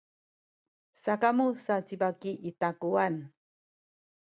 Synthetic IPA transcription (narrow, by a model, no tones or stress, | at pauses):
sakamusat͡sibakiʔitakuan